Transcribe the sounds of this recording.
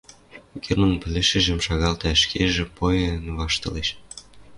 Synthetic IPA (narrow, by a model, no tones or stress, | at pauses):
ɡʲermonpɘ̆leʃĕʒə̆mʃɑɣɑlt̪æʃkʰeʒĕpojɤ̆nβɑʃt̪ɤ̆leʃ